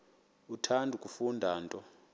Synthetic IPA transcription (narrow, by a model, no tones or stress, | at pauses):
utʰandʱukʼufundʱaːntʼɔ